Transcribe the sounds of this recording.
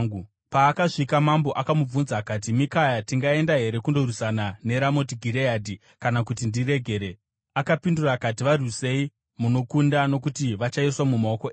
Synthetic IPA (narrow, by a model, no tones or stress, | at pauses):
u | paːkaʐikamambo̞ʔakamub͡vunzakat̬imikajatiŋɡae̞ndaɦe̞ɾe̞kundo̞ɾusanane̞ɾamo̞tiɡʱiɾejaːdʱi | kanakutindire̞ɡʱe̞ːɾe | akapindurakat̬iʋarwise̞i | muno̞kundano̞kutiʋat͡ʃaiswamumao̞koe